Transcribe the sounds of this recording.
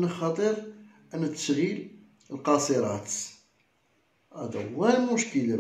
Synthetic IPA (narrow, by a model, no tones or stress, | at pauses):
nəxɑt̪ˤəɾ | ʔænːæt̪ːə̥ʃɣil | əlqɑsˤəɾˤɑt̪ | ʔæd̪æwælmʊʃkəla